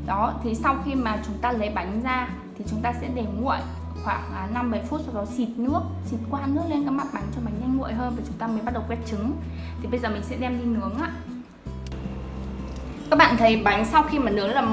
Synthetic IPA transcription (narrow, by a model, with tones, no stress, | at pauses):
ɗɔ˨˦t̪ʰi˨˩sa˧wxi˧maː˨˩t͡ɕʊ˨˦ŋ͡mt̪aː˧lə˨˦jɓa˨˦jŋ̟zaː˧ | t̪ʰi˨˩t͡ɕʊ˨˦ŋ͡mt̪aː˧sɛ̰˧˥ɗe˨˩ŋṵ˧˨əj | xwaː˧˩ŋʔaː˨˦na˧mɓə˧˩jfu˦˥t̚sa˧wɗɔ˨˦si˨˩p̚nɨ˦˥ək̚si˨˩p̚kwaː˧nɨ˦˥ək̚le˧nkaː˨˦˥jma˦˥t̚ɓa˨˦jŋ̟t͡ɕɔ˧ɓa˨˦jŋ̟ɲa˧jŋ̟ŋṵ˧˨ə˨jɦəː˧nvaː˨˩t͡ɕʊ˨˦ŋ͡mt̪aː˧məː˨˦jɓa˦˥ɗə˨˩wkwɛ˦˥t̚t͡ɕɨ˨˦ŋ | t̪ʰi˨˩ɓə˧jzəː˨˩m̟˨˩sɛ̰˧˥ɗɛ˧mɗi˧nɨ˨˦əŋʔaː˧˨ | kaː˦˥k̚ɓa̰ː˧˨nt̪ʰə˨˦jɓa˨˦jŋ̟sa˧wxi˧maː˨˩nɨ˨˦əlaː˨˩